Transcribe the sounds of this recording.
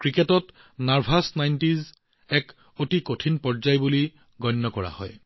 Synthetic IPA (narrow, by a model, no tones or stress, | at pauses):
kɹiketɔt | naɹpʰasnajntiz | ɛk | otikotʰinpɔzajbuli | ɡɔjnːɔkɔɹa̰hɔ̰j